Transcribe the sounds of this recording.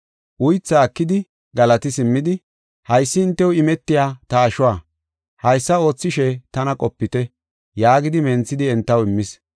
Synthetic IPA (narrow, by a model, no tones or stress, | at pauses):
ʔʊjt͡sːaːkːɪd̪ɪ | ɡɐlɐt̪ɪsɪmːɪd̪ɪ | hɐjsːɪɪnt̪ːɛwʊɪmɛt̪ːɪjaːt̪ɐːʃʊwaː | hɐjsːɐo̞ːt͡sːɪʃɛt̪ɐnɐkʼɔpːɪt̪ɛ | jaːɡɪd̪ɪmɛnt͡sːɪd̪ɪɛnt̪ːɐwɪmːɪs